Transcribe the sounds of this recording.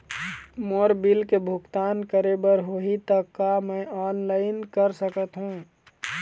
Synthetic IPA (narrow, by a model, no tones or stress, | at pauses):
moːɾbilkebʱʊkt̪aːnkəɾebəɾɦoɦit̪əkːamɛ̃ːɔːnlaːɪnkəɾsəkət̪ɦũː